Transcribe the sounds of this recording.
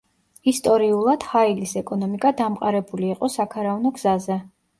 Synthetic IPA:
ist̪ʼɔɾiulˠad̪̥hailisɛkʼɔnɔmikʼad̪amqʼaɾɛbuliːqʼɔsakʰaɾavnɔɡz̥azɛ

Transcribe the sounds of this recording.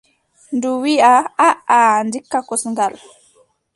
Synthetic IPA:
nduwiaaʔandikːakɔsŋɡal

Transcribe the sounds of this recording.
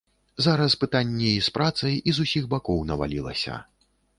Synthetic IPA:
zaɾɐspɨt̪anʲːɛispɾat̪sɐjizusʲiɣbakɔwnɐva̰lʲilˠɐ̰sʲɐ̰

